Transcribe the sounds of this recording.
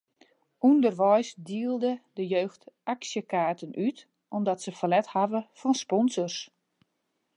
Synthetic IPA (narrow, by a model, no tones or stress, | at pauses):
undərʋɔjsdiəlˠdədəjøːxtaksjəkaːtənʔyt | ʔɔmdɔtsəfəlɛthavəfɔnspɔnzɔrs